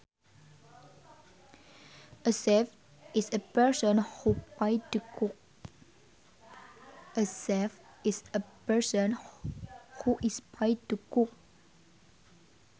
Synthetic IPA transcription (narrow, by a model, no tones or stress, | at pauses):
ʔəsɛf | isəpɛsə̃nhupajtukuk̚ | ʔəsɛf | isəpɛsə̃n | huʔispʰaɪtukuk̚